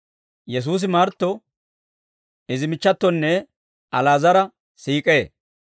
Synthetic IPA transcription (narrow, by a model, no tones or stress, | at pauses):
jɛs̬uːs̬ɪmaːɾt̪ːɔ | ɪzɪmɪt͡ʃːɐt̪ːɔnːɛ | ʔɐlaːzɐɾɐ | siːkʼeː